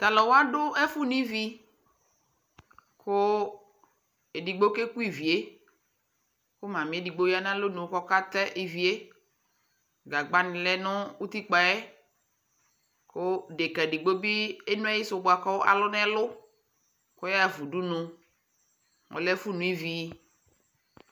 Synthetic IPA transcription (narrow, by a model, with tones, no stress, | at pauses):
t̪a˨lɔ˨wo˦a˦ɖʊ˦ɛ˦fu˦nũ˦i˦vi˦ | kʊ˦ | e˨di˨ɡ͡bo˦ke˦ku˦i˨vi˨e˦ | ko˦mã˨mĩ˨˦e˦di˨ɡ͡bo˦ja˦nã˦lo˦nũ˨wo˦kɔ˦ka˦t̪ɛ˦ʔe˨vi˨˦e˦ | ɡa˨ɡ͡ba˦nɪ̃˨lɛ˦nʊ̃˦wu˦t̪i˦k͡pa˨e˦ | kʊ˦ɖe˨kɛ˨ɖi˨ɡ͡bo˦bi˦e˦nũ˦a˦ji˦sʊ˨bo˨a˨kɔ˦wo˦ʔa̰˨lʊ˦nɛ̃˦lʊ˦ | ko˦ja˦vu˨ɖu˦nʊ̃˦ | ŋʔɔ̰˨lɛ˦fu˦nũ˨i˦vi˨˦